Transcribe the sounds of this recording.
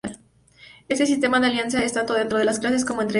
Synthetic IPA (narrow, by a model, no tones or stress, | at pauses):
al | e̞st̪e̞s̬ist̪e̞maðealjansjaest̪ant̪oðe̞nt̪ɾo̞ð̞elasklas̬e̞s̬ko̞moent̪ɾe